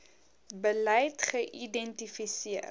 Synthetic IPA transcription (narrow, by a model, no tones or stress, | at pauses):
bəlɛjtχəʔidɛntifisiə